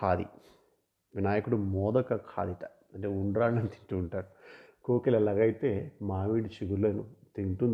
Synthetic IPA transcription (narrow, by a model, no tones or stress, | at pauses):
kʰaːd̪ḭ | ʋinaːjɐkuɽumɔːd̪ɐkɐkʰa̰ːd̪iʈ̪ɐ | ɐɳʈeːuɳɖɾaːɽnɐnit̪i̥ɳʈuːɳʈaːɾu | koːkelɛlɐɡɐjit̪e̞ːmaːʋiːɽit͡ʃiɡuɾlɐnut̪iɳʈun